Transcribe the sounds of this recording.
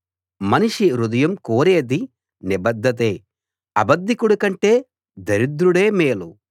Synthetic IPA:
mɐniʂiɾud̪ɐjɐmkoːɾe̞ːd̪i | nibɐd̪ʱːɐt̪̬eː | ɐbɐd̪ːikuɽukɐɳʈe̞ː | d̪ɐɾid̪ɾuɽe̞ːmeːlu

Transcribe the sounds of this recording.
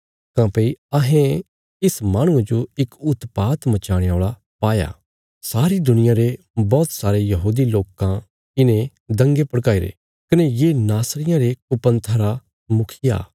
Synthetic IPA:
kãːpeiɐɦẽ | ɪsmaːɽ̃ʊ̃ed͡ʒoɪkʊt̪paːt̪mɐt͡ʃaːɽ̃eoːɭa | paːja̰ː | saːɾid̪ʊnɪjãɾe | bɔːt̪saːɾejɐɦuːd̪iloːkã | ɪnẽ | d̪ɐ̃ŋɡepɐɽkaːiɾḛ | kɐnejeːnaːsɾɪjãɾekʊpə̃nt̪ʰɐɾa | mʊkʰɪja̰ː

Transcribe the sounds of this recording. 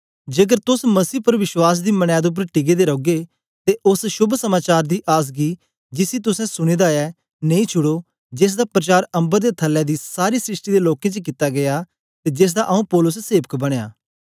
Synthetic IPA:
d͡ʒek̬əɾt̪ʊsməsiːpəɾʋɪʃwaːs̬d̪iːməɽ̃ad̪eʊp̬ːəɾʈɪɡeːd̪eːɾoːɡe | t̪eʔʊsʃʊbʱsəmaːt͡ʃaːɾd̪iːʔaːs̬ɡiː | d͡ʒɪsiːt̪ʊsɛ̃sʊɽ̃eːd̪aɛː | neĩːt͡ʃʰʊɽoː | d͡ʒeːs̬d̪aːpɾət͡ʃaːɾə̃mbəɾd̪eːt̪ʰəlːɛ̃ːd̪iːsaːɾiːsɾɪʃʈiːd̪eːloːkẽːt͡ʃək̬ɪt̪aɡɐjaː | t̪ed͡ʒeːs̬d̪aʔɐũpɔːlʊsseːʋəkbɐɽ̃eja̰ː

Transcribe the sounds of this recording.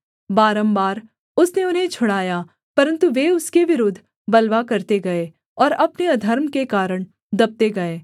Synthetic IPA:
baːɾəmbaːɾ | ʊsneʊnɦẽt͡ʃʰʊɽaːja | pɐɾə̃nt̪uʋeʊskeʋɪɾoːd̪ʱː | bɐlʋakɐɾt̪eɡɐe | ɔːɾɐpneɐd̪ʱəɾmkekaːɾəɽ̃ | d̪ɐb̚t̪eɡɐeː

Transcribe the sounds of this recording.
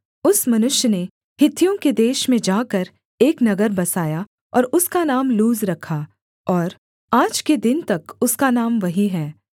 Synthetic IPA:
ʊsmɐnʊʃjəne | hɪt̪ʰːijõked̪eːʃmẽd͡ʒaːkɐɾ | eːknɐɡəɾbɐsaːja | ɔːɾʊskanaːmluːzɾɐkʰa | ɔːɾ | aːd͡ʒked̪ɪnt̪ɐkʊskanaːmʋɐɦiɦɛː

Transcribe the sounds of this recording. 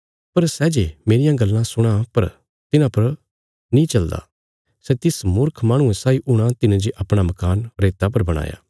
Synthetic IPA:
pɐɾsɛːd͡ʒemeːɾɪjãɡɐlːãsʊɽ̃ãpɐɾ | t̪ɪnãpɐɾ | nĩt͡ʃɐld̪a̰ː | sɛt̪ɪsmʊɾkʰmaːɽ̃ʊ̃ɛ̃saːiʔʊɽ̃ãt̪ɪnãd͡ʒeʔɐpɽ̃amɐkaːnɾeːt̪apɐɾbɐɽ̃a̰ːja̰ː

